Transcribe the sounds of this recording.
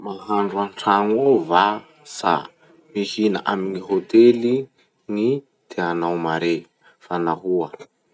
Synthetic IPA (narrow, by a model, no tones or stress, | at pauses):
maɦaɳɖ͡ʐuaɳʈ͡ʂaŋova | sa̰ | mihinaʔaminiɦot̪eli | ŋi | d̪̥eanawmaɾe | fanaɦuə